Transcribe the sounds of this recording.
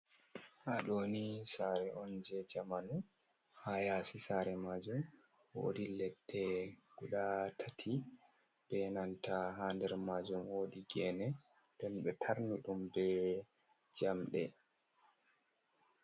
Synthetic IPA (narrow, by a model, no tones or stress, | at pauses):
ʔaɗoːnisaɾɛʔɔnd͡ʒɛd͡ʒamanu | hajasisaɾɛmad͡ʒum | wo̰ːdilɛdːɛɡ̥uɗatʰatʰi | b̥ɛnantaɦandɛɾmaːd͡ʒumwoːdiɡɛnɛ | d̥ɛnɓɛtʰaɾniɗumbɛ | d͡ʒamɗɛ